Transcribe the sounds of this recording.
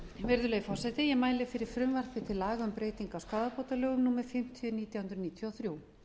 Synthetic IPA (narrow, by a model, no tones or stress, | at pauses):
vɛɾðʏlejfɔ̥sɛt̪ɪjɛmaːjlɪfɪɾɪɾ̥fɾʏmvaɾ̥fɪt̪ʰɪlːaːɣaʏmpɾeːjt̪iŋkawskaːðapoːwt̪alœːɣʏmnuːmɛɾ̥fɪm̥t̪ʰjʏniːt̪jahʏnɾʏniːt̪ʰjɔwθɾjuːw